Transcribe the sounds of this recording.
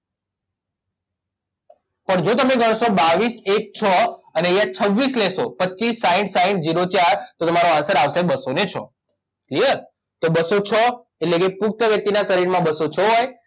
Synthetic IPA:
pəɳd͡ʒot̪əmeɡəɽ̃sobaʋisek̚t͡ʃʰɔənejãt͡ʃʰəʋːislesopətːʃisːaĩɳʈsaĩɳʈd͡ʒiɾot͡ʃaɾt̪ot̪əmaɾoasəɾaʋsebəsonet͡ʃʰɔ̰ | klijəɾ | t̪obəsot͡ʃʰɔ | eʈlekepuk̚t̪əʋjək̚t̪inasəɾiɾmãbəsot͡ʃʰɔɦoj

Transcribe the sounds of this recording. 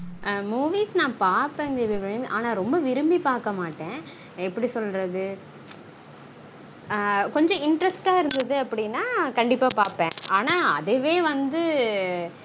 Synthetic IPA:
muːʋiːsnãːpaːɾpẽːnd̪ɛʋiʋɪɾɯmbiʔaːnaːɾɔmbɐʋɪɾɯmbipaːɾkɐmaːʈːẽː | ɛpːɐɽisɔlɾɐðɯ | kɔɲd͡ʒɔ̃ɪɳɖɾɛsʈaːɪɾɯnd̪ɐðɯɐpːɐɽɪnːaːkɐɳɖɪpːaːpaːɾpẽːʔaːnaːɐ̰ðeʋeːʋɐnd̪ɯ

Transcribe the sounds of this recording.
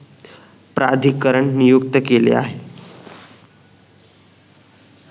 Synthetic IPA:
pɾa̰d̪ʱikəɾəɳnijukt̪əkelḛa̰ɦe

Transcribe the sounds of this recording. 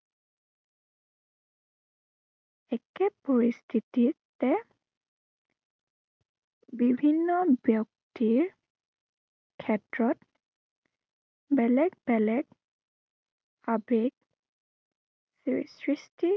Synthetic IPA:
ɛkɛpoɹistʰititɛ | bibʱinːɔbjɔk̚tiɹ | kʰɛtɹɔt | bɛlɛɡbɛlɛɡ | abeɡ | ssɹisti

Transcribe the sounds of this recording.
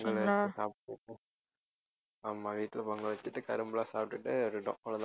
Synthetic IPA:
ŋɡɐɭsaːp̚ʈːɯʈːɯ | aːmːaːʋiːʈːɪlɐpoːŋɡɐɭʋɐt͡ʃːɯʈːɯkɐɾɯmbɯlãːsaːp̚ʈɯʈːɯɾɪɖõ̰lɐt̪a

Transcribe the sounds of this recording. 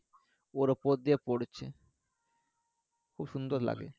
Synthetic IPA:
oɾopot̪̚d̪iepoɽet͡ɕʰe | kʰubʃund̪oɾla̰ɡḛ

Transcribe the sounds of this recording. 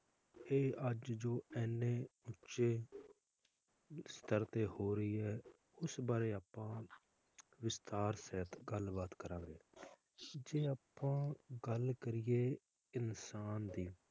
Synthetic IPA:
eːʔəd͡ʒd͡ʒoːʔɛːnːẽːʊːt͡ʃeː | st̪əɾt̪eːhoːɾəiːɛː | ʊsbaːɾeːaːpːãː | ʋɪst̪aːɾsɛːt̪ɡəlbaːt̪kəɾãːɡeː | d͡ʒeːaːpːãːɡəlkəɾɪjeː | ɪnsaːnd̪iː

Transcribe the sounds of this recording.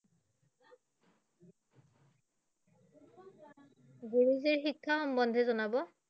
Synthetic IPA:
ɡuɹiziɹxikʰːaxɔmbɔnd̪ʱɛzɔnabɔ

